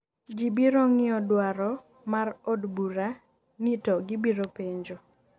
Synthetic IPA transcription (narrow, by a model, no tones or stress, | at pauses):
d͡ʒibiɾoŋɪɔdwaɾɔ | marodbuɾa | nitɔɡɪbiɾopeɲd͡ʒo